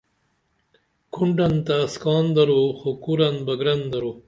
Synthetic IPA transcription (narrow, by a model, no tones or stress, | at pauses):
kʰuɳɖɐnt̪askɑːnd̪ɐɾoxokuɾɐnbɐɡɾɐnd̪ɐɾoː